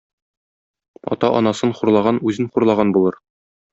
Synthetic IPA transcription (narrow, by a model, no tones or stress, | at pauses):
ɒ̰t̪ɑʔɒ̰nɑsɤnχuɾlˠɑʁɑnʉzɘnχuɾlˠɑʁɑnbulˠɤɾ